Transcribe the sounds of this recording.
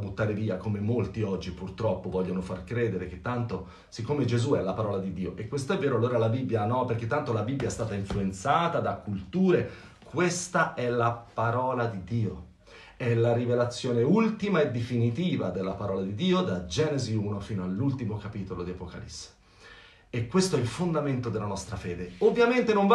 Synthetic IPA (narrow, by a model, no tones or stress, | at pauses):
but̪ːaːɾeviːakomemolt̪iɔd͡ʒːipurt̪ɾɔpːovɔʎːonofarkɾeːd̪eɾek̟et̪ːant̪o | sikːoːmed͡ʒezuɛlːapaɾɔːlad̪id̪ːiːoʔekːwest̪oɛvːeːɾoaloːɾalabibːjanɔperk̟et̪ːant̪olabibjaɛst̪aːt̪aiɱfluent̪saːt̪ad̪akːult̪uːɾe | kʰwest̪aʔɛlapaɾɔːlad̪id̪iːo | ɛlaɾivelat̪sːjoːneult̪imaed̪ːefinit̪iːvad̪elːapaɾɔːlad̪id̪iːod̪ad͡ʒɛːneziuːnofiːnoalːult̪imokapiːt̪olod̪iapoka̰lḭsːe̥ | ekːwest̪oɛilfond̪ament̪od̪elːanɔst̪ɾafeːd̪eovːjament̪enoɱv